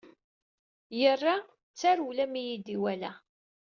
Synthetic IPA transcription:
jərːa | t͡sːaɾulæmijid̪iwælæ

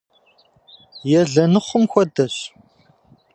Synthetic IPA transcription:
jɛɮɐnɨχʷʊmxʷɔdɐɕ

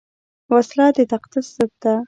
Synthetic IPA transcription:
waslɑd̪et̪aqd̪ɪsːəb̚d̪a

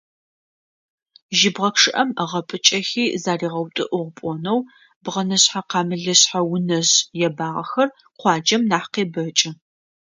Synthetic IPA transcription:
ʒɪbʁɐkʂɨʔɐməʁɐpʼɨt͡ʃʼɐxiːzaːriːʁɐwtʷʼʊ̰ʔʊʁʷpʷʼɔnɐw | bʁɐnɨɕħaqɑːmɨɮɨɕħawʊnɐʑjɛbaːʁɐxɐr | qʷɑːd͡ʒɐmnaːħqeːbɐt͡ʃʼɪ

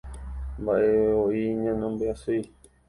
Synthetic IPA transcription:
mbaʔeoiɲãnõmbeasui

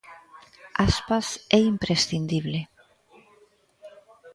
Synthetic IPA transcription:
aspasɛimpɾesθind̪iβle

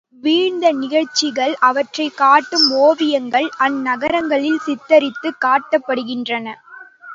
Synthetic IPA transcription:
ʋiːɻnd̪ɐnɪɣɐɭt͡ʃːɪɣɐɭɐʋɐʈrɐɪkaːʈːɯmoːʋɪjɐŋɡɐɭʔɐnːɐɣɐɾɐŋɡɐɭɪlsɪt̪ːɐɾɪt̪ːɯkːaːʈːɐpːɐɽɯɣɪndrɐnɐ

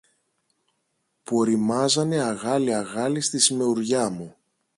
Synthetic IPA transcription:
puoɾimɐzɐne̞ɐɣɐliɐɣɐlist̪isime̞uɾʝɐmu

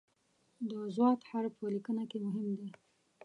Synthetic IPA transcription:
d̪əzwɑt̪haɾpəlikənakemʊɦɪmd̪e

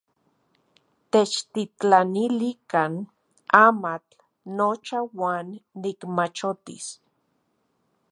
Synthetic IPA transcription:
t̪et͡ʃt̪it͡ɬanilikan | amat͡ɬ | not͡ʃawaːnːikmat͡ʃot̪ḭs

